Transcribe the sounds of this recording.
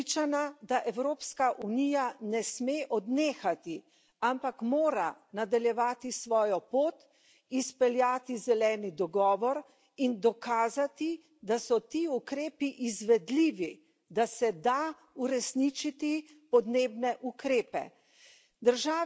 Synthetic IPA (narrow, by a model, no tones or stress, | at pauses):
t͡ʃanad̪aʔɛwɾoːpskaʔunijanɛsmeʔɔd̪neːxat̪i | ampakmoːɾanad̪aljɛʋaːt̪isʋɔːjɔpoːt̪ | ispɛljaːt̪izɛlɛːnid̪ɔɡɔːʋɔɾ | ind̪ɔkaːzat̪i | d̪asɔt̪iukɾeːpiʔizʋɛd̪liːʋi | d̪asɛd̪a | uɾɛsnit͡ʃit̪i | pɔd̪neːbnɛʔukɾeːpɛ̰ | d̪əɾʒaː